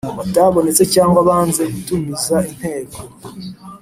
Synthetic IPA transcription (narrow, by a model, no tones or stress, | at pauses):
βataβo̞ne̞t͡se̞caːŋɡwaβaːnze̞kutumizain̥he̞ːko